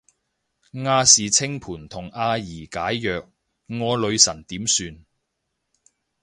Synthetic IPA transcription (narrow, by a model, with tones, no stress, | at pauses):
ŋaː˧siː˨t͡sʰɪ˥ŋpʰuː˨˩nt̪ʰʊ˨˩ŋaː˧jiː˨˩kaː˨˥jːœː˨k̚ | ŋɔː˨˧lɵ˨˧ɥsɐ˨˩nt̪iː˨˥msyː˧n